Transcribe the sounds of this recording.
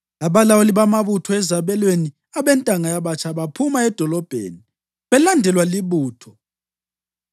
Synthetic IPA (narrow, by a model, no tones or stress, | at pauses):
aβalawoliβamaβutʰɔɛzaβɛlweni | aβɛntʼaŋajaβat͡ʃʰaβapʰumaɛd̥ʱɔlɔb̥ʱḛːni | βɛlandʱɛlwaliβuːtʰɔ